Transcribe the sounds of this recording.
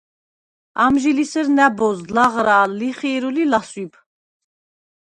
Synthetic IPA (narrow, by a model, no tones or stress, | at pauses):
amʒilisəɾnæbɔzlaʁɾaːliχɛːɾulilaswibʰ